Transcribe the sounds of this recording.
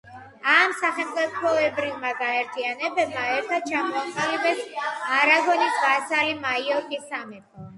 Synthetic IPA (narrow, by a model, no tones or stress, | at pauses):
amsaχɛmt̪ʼipʰɔɛbɾivmaɡaɛɾt̪ʰianɛbɛbmaɛɾt̪ʰad̪̥̚t͡ʃʰamɔaqʼilɛbɛsaɾaɡɔnisbasalimaiɔkʰisamɛt̪ʼʰa